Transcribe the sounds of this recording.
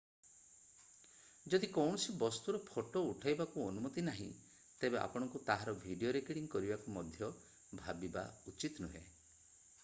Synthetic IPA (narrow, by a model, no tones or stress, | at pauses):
d͡ʒɔd̪ʱikɔwɳ̃ɔsibɔst̪uɾɔpʰoʈouʈʰajbakuɔnumɔt̪inaɦḭ̃ | t̪ebeʔa̰pɔɽ̃ɔŋkut̪aɦaɾɔbʱiɖioɾekeɽiŋkɔɾibakumɔd̪ʱjɔ | bʱabiba̰ut͡ʃit̪ɔnuɦe